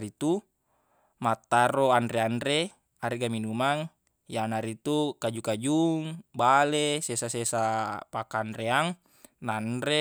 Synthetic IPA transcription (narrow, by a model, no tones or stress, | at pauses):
ɾit̪u | mat̪ːaɾoandɾeanɾe | aɾiɡaminumaŋ | janaɾit̪ukad͡ʒukad͡ʒuŋbalesesasesapakaːndɾeaŋ | nanɾe